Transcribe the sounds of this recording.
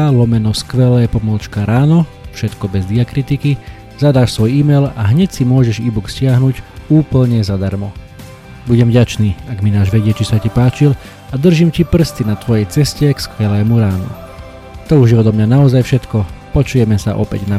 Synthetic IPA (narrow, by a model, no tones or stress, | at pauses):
alɔmɛnɔskʋɛlɛːpɔmɔlt͡ʃkaɾaːnɔfʃɛt̪kɔbɛzd̪iakɾit̪iki | zad̪aːʃsʋɔjiːmɛla̰ɦɲɛcsimʊɔʒɛʒiːbukscɪaɦnuɟuːpl̩ɲɛzad̪aɾmɔ | buɟɛmvɟat͡ʃniːaɡminaːʒʋɛɟɪɛt͡ʃisacipaːt͡ʃil | ad̪r̩ʒimcipr̩st̪inat̪ʋɔjɛjt͡sɛscɛkskʋɛlɛːmuɾaːnṵ | t̪ɔuʒɛɔd̪ɔmɲanaɔzajfʃɛt̪kɔpɔt͡ʃujɛmɛsa̰ʔɔ̰pɛ̰ɟna